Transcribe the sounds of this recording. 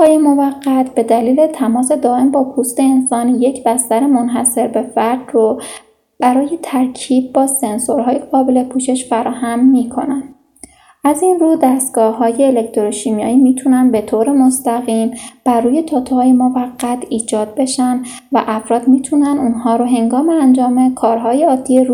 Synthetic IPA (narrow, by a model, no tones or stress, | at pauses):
ɒːjemovæɢːæt̪ʰb̥e̞d̪æliːle̞t̪ʰæmɒːse̞d̪ɒːʔe̞mbɒːpʰust̪e̞ːnsɒːnje̞cʰbæst̪æɾemo̞nɦæse̞ɾbe̞fæɾd̪ro | b̥æɾɒːje̞t̪ʰæɾcʰiːb̚bɒːse̞nsoɾɦɒːjeɡɒːbe̞le̞pʰuːʃe̞ʃfæɾɒːhæmːiːkʰo̞̰nænd̪ | ʔæzinruːd̪æst̪̚ɡ̥ɒːɦɒːje̞ːlekt̪ʰoɾoʃiːmjɒːiːmiːt̪ʰunænbe̞t̪ʰoːɾemo̞st̪æɣiːmb̥ærɾuːje̞t̪ʰɒːt̪ʰhɒːjemovæɡːæt̪ʰiːd͡ʒɒːd̪̚be̞ʃæn | væʔæfɾɒːd̪miːt̪ʰunænuːnhɒːɾoɦe̞ŋɡɒːmeænd͡ʒɒːme̞kʰɒːɾɦɒːjeɒːd̪ːieɾu